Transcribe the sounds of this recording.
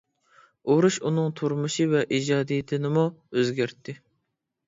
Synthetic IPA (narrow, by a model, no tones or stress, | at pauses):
oɾuʃunɨŋt̪ʰuɾmuʃivɛʔid͡ʒɑːd̪ijɪt̪ʰɪnɪmuøzɡʲæɾt̪ʰːɪ